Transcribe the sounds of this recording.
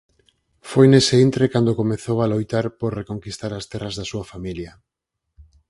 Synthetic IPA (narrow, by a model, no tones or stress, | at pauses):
fojneseint̪ɾekand̪okomeθowalojt̪aɾpoɾrekoŋkist̪aɾast̪ɛrazðasuafamilja